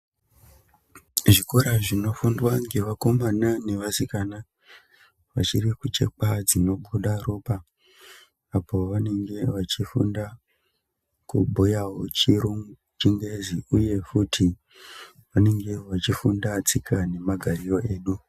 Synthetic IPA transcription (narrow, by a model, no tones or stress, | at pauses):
ʐiko̞ɾaʐino̞fundwaŋɡeʋako̞manane̞ʋasikana | ʋa̰t͡ʃirikut͡ʃe̞̰k͡pad͡zino̞ɓuɗaroːpa | po̞ʋane̞ŋɡe̞ʋat͡ʃifunda | kubʱojaɦot͡ʃiɾuŋ | t͡ʃiŋɡeziuje̞futʰi | ʋane̞ŋɡe̞ʋat͡ʃifundat͡sikʰane̞maɡʱarijo̞ʔe̞ːɗu